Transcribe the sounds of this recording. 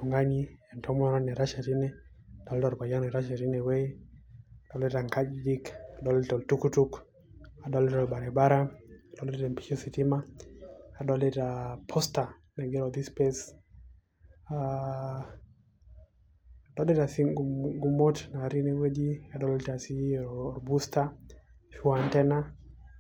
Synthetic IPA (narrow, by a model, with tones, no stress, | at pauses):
u˨ŋɡa˦ɲi˦ɛ˨ntɔ˦mɔ˦ɾa˦nɛ˨ɾa˦ʃa˨ɾi˦nɛ˦a˨dɔ˦ltɔ˨ɾba˨ja˦nɛ˨ɾa˦ʃa˨ɾi˦nɛ˨we˦a˨dɔ˦lɛ˦ta˨ŋka˦d͡ʒdi˦ka˨dɔ˨˦le˦tɔ˨ltu˦ku˦tu˦k | a˨dɔ˨˦lɪ˦tɔ˨lba˨ɾɛ˨ba˦ɾa˦a˨dɔ˦lɪ˦ta˨mpi̥˦t͡ʃɔ˦si˨ti˦maː˦˨ | dɔ˦lɛ˦ta˨pʰɔsta˨ | nɛ˨ɡɛ˦ɾɔ˨d̪i˦spɛs | a | dɔ˦lɪ˦ta˨si˦ɡɡu˨mɔ˦tna˨ɾi˦ne˨we˦d͡ʒi˦a˨dɔ˦lta˨si˦ɔ˨ɾbusta˦ | ʃuantɛ˦na˦